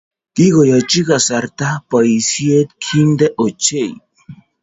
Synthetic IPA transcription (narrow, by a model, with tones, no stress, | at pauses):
ti˦ɣo˨ja˨t͡ʃi˦ɣa˨sa˨ɾt̪a˦pa˨i˨sje˦t̪kʰi˦nd̪e˦ʔo˨t͡ʃe˦˨j